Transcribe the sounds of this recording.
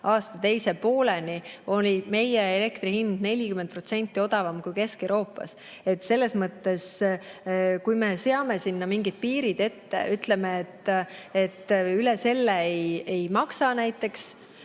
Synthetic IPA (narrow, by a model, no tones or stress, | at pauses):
ɑːst̪ɑt̪e̞jse̞po̞ːle̞nio̞lʲime̞jeele̞kt̪rihind̪̥ne̞lʲikyment̪̚pro̞t̪se̞nʲt̪ːˑio̞d̪̥ɑvɑmkujke̞skewɾo̞ːpːˑɑ̰s | e̞t̪ːse̞lːe̞smɤt̪ːe̞s | kujme̞seɑme̞sinːɑmiŋɡid̪̚piːɾid̪e̞t̪ːe̞̰ʔyt̪le̞meːt̪ːet̪ːylese̞lːeeje̞jmɑksɑnæjt̪ːˑe̞ks